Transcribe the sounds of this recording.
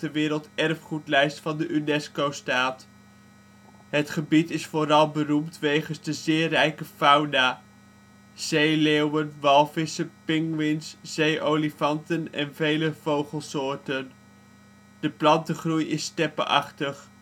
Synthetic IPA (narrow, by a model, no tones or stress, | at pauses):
əʋɪːɾəlˠtɛrfχutlɛjstfɑndəʔynɛskowstaːt | ɦətχəbitɪsfoːɾɑlˠbərumtʋejχənzdəzɪːrɛjkəfɑwnaː | z̥ejleːwənʋɑlˠvɪsəpɪŋʋɪnsz̥ejʔowlifɑntənɛnvejləv̥owχəlˠsʊːɹtən | d̥əplɑntəχrujɪstɛpə̰ʔɑ̰χtəχ